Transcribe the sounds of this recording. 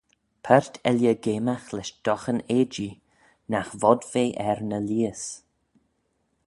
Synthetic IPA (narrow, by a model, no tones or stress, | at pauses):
pʰɛɹt̪ʰɛljəɡeːmaxlɛʃd̪̥ɔxəneːd͡ʒi | naxvɔdv̥eːʔɛɾnəliːəs